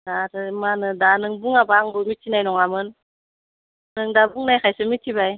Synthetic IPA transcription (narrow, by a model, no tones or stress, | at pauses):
daɾɯmanɯdanɯŋbuŋabaŋbɯmitʰːinajnɔŋamɯn | nɯŋdabuŋnajkʰajsɯmitʰːibaj